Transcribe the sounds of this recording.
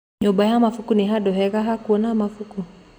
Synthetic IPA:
ɲɔbajamafukuniɦaɗɔɦɛɣaɦakuɔnamafuku

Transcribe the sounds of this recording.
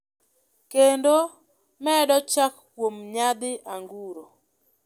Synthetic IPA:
kendo | mɛdɔt͡ʃakkwomɲad̪ɪʔaŋɡuɾo

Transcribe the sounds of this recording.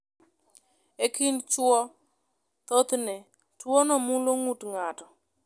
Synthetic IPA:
ekɪnt͡ʃwɔ | t̪ot̪nɛ | twonɔmuloŋutŋatɔ

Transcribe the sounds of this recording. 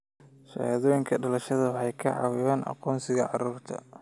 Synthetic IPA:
ʃɐ̰aːðɔːjɪŋkʰɐɖɐlɐʃɐðɐħɑjkʰɐʕɑ̰wɪβaːnʔɑ̰qɔːnsɪɣɐʕɑɾuːrt̪ʰɐ̰

